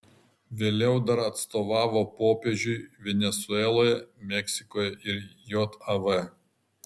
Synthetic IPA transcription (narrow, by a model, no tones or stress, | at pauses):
ʋʲeːlʲɛʊd̪ɐɾɐt̪st̪oːʋɑːʋoːpoːpʲeːʒʲʊɪʋʲɛnʲɛsʊɛlˠoːjɛmʲɛksʲɪkoːjɛʔɪɾjoːt̪ɐʋɛ